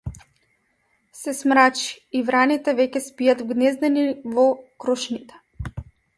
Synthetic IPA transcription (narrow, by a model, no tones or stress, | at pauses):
sɛsmɾat͡ʃi̥ːvɾanit̪ɛvɛkʲɛspijat̪vɡnɛzd̪ɛnivɔkɾɔʃnit̪ɛ̥